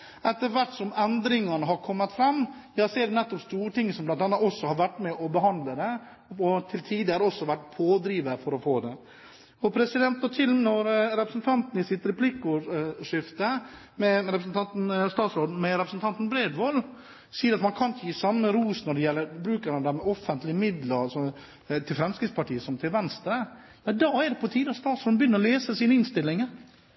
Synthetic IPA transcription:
ɛt̪ːəɾʋæʈsɔmɛnd̪ɾɪŋɑnəɦɑɾkʰɔmːət̪fɾɑmːjɑːsɔɛɖɛnɛt̪ːɔpst̪uːɾəʈ̪ʰɪŋːəsɔmblɑnt̪ɑnːɑɔsːɔhɑɾʋæʈːmɛʔɔbəɦɑnd̪ləd̪ɛ | ɔt̪ʰɪlt̪ʰiːd̪əhæɾɔsːɔʋæʈːpʰoːd̪ɾiːʋəfɔɾɔfoːd̪ɛ | ɔpʰɾɛsɪd̪ɛnt̪̚ɔt̪ʰɪlnɔɾɾɛpɾəsnt̪ʰɑnt̪nɪsɪt̪ɾɛpʰlikʊʂɪft̪ə | mɛɾɛpɾəsnt̪ʰɑnt̪n̩st̪ɑːt̪sɾoːd̪̩mɛɾɛpɾəsn̩t̪ɑnt̪n̩bɾeːd̪ʋol | siːəɾɑt̪mɑnkʰɑnçjiːsɑmːəɾuːsnɔɖɛjɛlːəɾbɾʉːkəɾmɑnd̪æɾmɛɔfənt̪lɪəmɪd̪ləɾsɔ | t̪ʰɪlfɾɛmskɾɪt̪spɑʈiːəsɔmt̪ʰɪlʋɛnst̪ɾə | mɛd̪ɑːæɖɛpɔt̪ʰiːd̪əɑt̪st̪ɑːt̪sɾoːd̪bjʏnːəɾɔleːsəsiːnəɪnst̪ɪlːɪŋəɾ

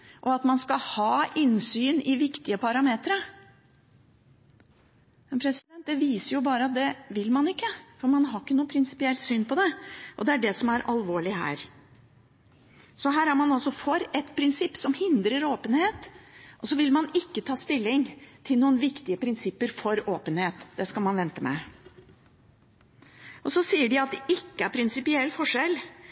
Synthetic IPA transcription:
ʔɔɑt̪mɑnskɑhɑːɪnsyːnɪʋɪkt̪ɪəpʰɑɾɑmeːt̪ɾə | mɛnpʰɾɛsɪd̪ɛnt̪̚d̪ɛʋiːsəɾjʊbɑːɾəɑt̪̚d̪ɛʋɪlmɑnɪkːəfɔɾmɑnɦɑɾɪkːənuːəpʰɾɪnsɪ̥pɪɛlt̪syːnpɔd̪ɛʔɔd̪ɛæɖɛsɔmæɾʔɑlʋoːɭɪhæ̰ːɾ | sɔɦæːɾæɾmɑnɑlsɔfɔɾɛt̪pʰɾɪnsɪpːsɔmhɪnd̪ɾəɾoːpənheːt̪ʔɔsɔʋɪlmɑnɪkːət̪ʰɑːst̪ɪlːɪŋt̪ʰɪlnuːənʋɪkt̪ɪəpʰɾɪnsɪpːəɾfɔɾoːpənheːt̪d̪ɛskɑlmɑnʋɛnt̪əmɛ̰ | ʔɔsɔsiːəɖɪɑt̪̚d̪ɛʔɪkːəæɾpʰɾɪnsɪpɪɛlːfɔʂɛl

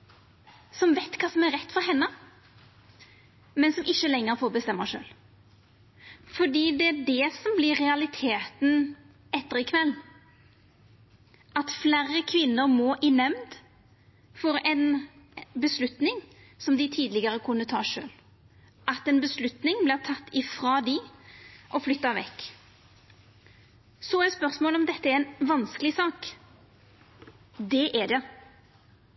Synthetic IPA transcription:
sɔmʋeɪt̪kʰɑːsɔmæɾɾɛt̪ːfɔɾhɛnːə | mɛnsɔmɪçːəlɛŋːəɾfoːɾbəst̪ɛmːəʂø̰ːl | fɔɖiːd̪ɛæɖɛsɔmblɪɾɛɑlɪt̪ʰeːt̪n̩ | ɛt̪ːəɾɪkʰʋɛlː | ʔɑt̪flæːɾəkʰʋɪnːəɾmɔʔɪnɛmd̪ | fɔɾɛn | bəslʉt̪nɪŋ | sɔmd̪ɪt̪ʰiːd̪lɪɡəɾəkʰʊnːət̪ʰɑːʂø̰ːl | ʔɑt̪ɛnbəslʉt̪nɪŋblɪʁt̪ʰɑt̪ːɪfɾɑːd̪ɪ | ʔɔflʏt̪ːɑʋɛ̰kː | sɔɛspœɾsmoːlɔmd̪ɛt̪ːəæɾɛnʋɑnskəlɪsɑːk | d̪ɛʔɛd̪ɛ

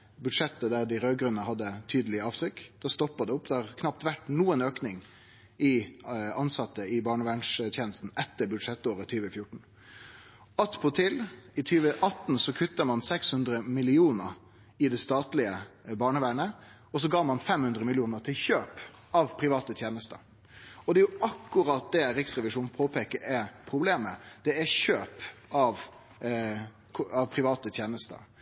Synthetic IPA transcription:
bʉd̪ʂɛt̪ːəd̪æʁd̪ɪɾøːɡɾʉnəhɑd̪ːət̪ʰyːd̪əlɪəɑːʋt̪ʰɾʏkːd̪̥ɛst̪ɔpːɑd̪ɛʊpːd̪ɛhɑʁkʰnɑp̚t̪ʋæʈnuːənøːknɪŋ | ɪɑnsɑt̪ːəɪbɑːɳəʋæːɳʂt̪ʰjeːnəst̪n̩ɛt̪ːəbʉd̪ʂɛt̪ːoːɾət̪ʰyːʋəfjʊʈɳ̩ | ɑt̪ːpʰɔt̪ʰɪlɪt̪ʰyːʋəʔɑt̪n̩sɔkʰʉt̪ːəmɑnsɛkshʉnd̪ɾəmɪlɪuːnəɾ | ɪd̪ɛst̪ɑːt̪lɪəbɑːɳəʋæɳə | ɔs̬ɔɡɑːmɑnfɛmhʉnd̪ɾəmɪlɪuːnəɾʈ̪ʰɪlçøːp | ɑʋpʰɾɪʋɑːt̪ət̪ʰjeːnəst̪ə̰ | ɔd̪ɛjʊɑkːʉɾɑt̪̚d̪ɛɾɪksɾɛʋɪʂuːnpʰoːpʰekəʔɛpʰɾʊbleːməd̪̥ɛæɕøːpɑʋ | ɑʋpʰɾɪʋɑːt̪ət̪ʰjeːnəst̪ə̰

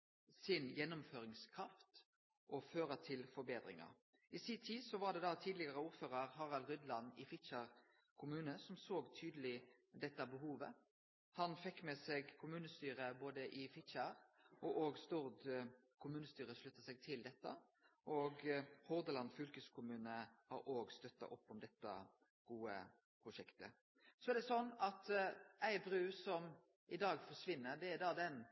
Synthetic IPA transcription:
sɪnjɛnːʊmføːɾɪŋskʰʁɑft̪ | ʔɔføːɾət̪ʰɪlfɔɾbeːd̪ʁɪ̰ŋɑ̰ | ɪsɪt̪ʰiːsɔʋɑʁɖ̪ɛd̪ɑt̪ʰiːd̪lɪɡɑʁəuːʁføːʁəʁhɑʁɑlʁʏd̪lɑnɪfɪtt͡ʃəʁ | kʰʊmʉːnəsɔmsoːɡt̪ʰyːd̪əlɪd̪ɛt̪ːəbəhuːʋə̰ | hɑnfɛkːmɛsɛːɡkʰʊmʉːnəst̪yːʁəboːd̪əʔɪfɪʃəʁʔɔʔoːɡst̪uːʁd̪ | kʰʊmʉːnəst̪yːɾəʂlʉt̪ːɑsɛɡ̚t̪ʰɪld̪ɛt̪ːə̰ | ʔɔːɡhɔʁd̪əlɑnfʏlkəskʰʊmʉːnəhɑ̰ɾʔoːɡst̪œt̪ːɑ̰ʔɔpːɔmd̪ɛt̪ːɑ̰ | ɡ̥uːə̰ | pʰɾʊʂɛkt̪ə̰ | sɔɛʁd̪ɛsɔnːɑt̪æɪbɾʉːsɔm | ʔɪd̪ɑːɡfɔʂʋɪnːəɾd̪ɛæd̪ɑːd̪ɛn

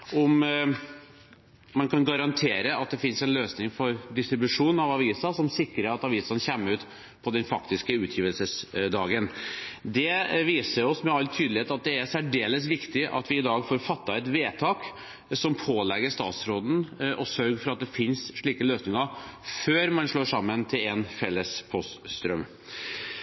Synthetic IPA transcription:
ʊm | ɑnkʰɑnɡɑɾɑnt̪ʰeːɾəɑt̪̚d̪ɛfɪnsɛnløːsnɪŋfɔɾd̪ɪst̪ɾɪbʉʂuːnɑʋɑʋiːsɑsɔmsɪkɾəɾɑt̪ɑʋiːsɑnçɛmːəʉːt̪ | pʰɔd̪ɛnfɑkt̪ɪskəʉːt̪ʰjiːʋəlsəsd̪ɑːɡənd̪ɛʋiːsəɾɔsmɛɑlt̪ʰyːd̪lɪheːt̪ɑt̪̚d̪ɛæsæɖeːləsʋɪkt̪ɪʔɑ̰t̪ʋɪɪd̪ɑːɡfoːɾfɑt̪ːɑɛt̪ʋeːt̪ʰɑːk | sɔmpʰoːlɛɡəɾʂt̪ɑ̰ːt̪sɾoːd̪n̩ʔɔsœɾɡfɔɾɑt̪̚d̪ɛfɪnsʂɭiːkəløːsnɪŋəɾføːɾmɑnʂɭoːʂɑmːənt̪ʰɪlɛnfɛlːəspʰɔst̪ːt̪ɾœm

